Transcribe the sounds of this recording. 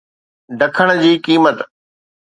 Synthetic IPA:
ɖɐkʰəɽ̃̆d͡ʑiːkiːmət̪

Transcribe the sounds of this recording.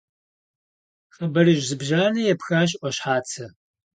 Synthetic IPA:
χɐbɐrɨʒzɨbʒaːnɐjɛpxaːɕ̬ʼʔʷɔɕħaːt͡sʰɐ

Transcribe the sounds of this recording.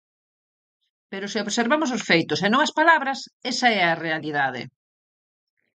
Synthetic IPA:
peɾʊseoβseɾβamʊs̬ʊsfejt̪ʊsenõŋɐspalaβɾɐsɛsɐɛɐrealiðað̞ɪ̰

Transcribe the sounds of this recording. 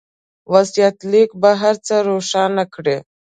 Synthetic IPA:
ʋəsjat̪liːkbaɦəɾt͡səɾoʂanəkɽe

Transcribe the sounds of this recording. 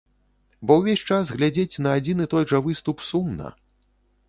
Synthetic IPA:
bɔwvʲesʲt͡ʂasɣlʲad͡zʲet͡sʲnɐːd͡zʲinɨt̪ɔjʐɐvɨst̪upsumnɐ̰

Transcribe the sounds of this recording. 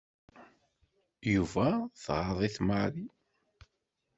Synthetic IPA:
juvæθʁɑðˤiθmaʕli

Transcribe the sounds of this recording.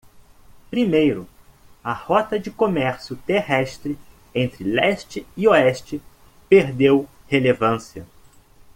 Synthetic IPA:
pɾimejɾʊɐhɔt̪ɐd͡ʒɪkomɛɾsjʊt̪eɦɛst̪ɾɪ | ẽnt̪ɾɪlɛst͡ʃɪioɛʃt͡ʃɪ | peɾd̪ew | helevɐ̃siɐ̰

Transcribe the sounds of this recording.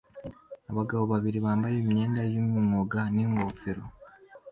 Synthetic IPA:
aβaɡaβoβaβiɾiβaːmbajemiɲeːndajumiŋoɡaniŋɡofeɾo

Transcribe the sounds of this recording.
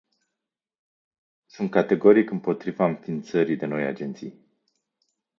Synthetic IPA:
sunt̪̚kat̪e̞ɡo̞ɾikɨmpo̞t̪ɾivaɨɱfint̪səɾijd̪eno̞ja̰d͡ʒe̞nt̪sij

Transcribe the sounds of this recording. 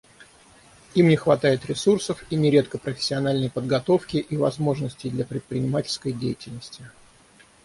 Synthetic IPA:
imnʲɪxvɐt̪ajɪt̪ɾʲɪsursəfinʲɪɾʲe̞t̪kəpɾəfʲɪ̥sʲːɪɐnalʲnəjpəd̪ɡɐt̪o̞fkʲɪʔivɐzmo̞ʐnəsʲtʲɪjd̪lʲapɾʲɪt̪̚pɾʲɪnʲɪmatʲɪlʲskəjdʲejɪtʲɪlʲnəsʲtʲɪ

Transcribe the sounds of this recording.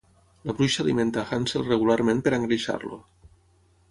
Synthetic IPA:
laβɾuʃaliment̪axanselreɣ̞ulaɾmenpeɾaeŋɡɾiʃa̰ɾlo̰

